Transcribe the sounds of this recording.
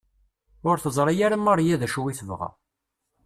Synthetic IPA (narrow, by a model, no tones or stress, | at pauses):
ʊɾθəzˤɾˤɑjæɾəmːaɾˤjæðæʃuwiθəvʁæ̰